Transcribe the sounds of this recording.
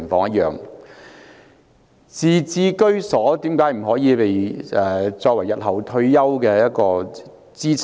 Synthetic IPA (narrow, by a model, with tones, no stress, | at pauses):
ŋfɔː˧ŋjɐ˥t̚jœː˨ŋ | t͡siː˨˧t͡siː˨˩kɵ˥ɥsɔː˨˥t̪iː˨˥mkaː˨˥jm̩˨˩ɦɔː˨˥jiː˨˧pe˨jɛː˨˩t͡sɔː˧k̚wɐ˨˩jːɐ˨t̚ɦɐ˨˩wt̪ʰɵ˧ɥjɐ˥wkɛː˧jɐ˥t̚kɔː˧ | t͡siː˥t͡sʰ